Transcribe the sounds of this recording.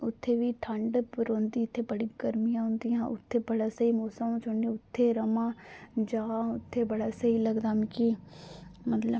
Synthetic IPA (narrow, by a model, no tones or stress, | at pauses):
ʊt̪ʰːeːʋiːʈʰəɳɖɾoːnd̪iːʊt̪ʰːeːbəɽiːɡəɾmijãːɦʊ̃nd̪ɪjãːʔʊ̰t̪ʰːeːbəɽaːsəiːmoːsəmõːt͡ʃʰʊɳɖĩʊt̪ʰːeːɾəmãːd͡ʒaːʊt̪ʰːeːbəɽaːsəiːləɡd̪aːmki | mət̪lə